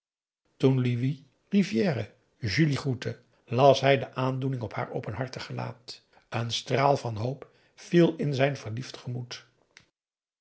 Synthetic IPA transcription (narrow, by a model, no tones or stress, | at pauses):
tunliʋi | rivjɛːrə | ʒyliχutə | lɑsɦɛjdəʔaːndunɪŋɔpha̰ːɹo̰wpənɦɑɹtəχəla̰ːt | ənstraːlˠvɑnɦowp | filˠɪnzɛjnvəɹliftχəmut